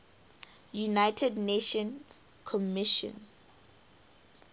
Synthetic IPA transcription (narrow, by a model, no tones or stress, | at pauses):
junaɪtʰɛdneʃɔ̃ns | kʰɔmɪʃɔ̰̃n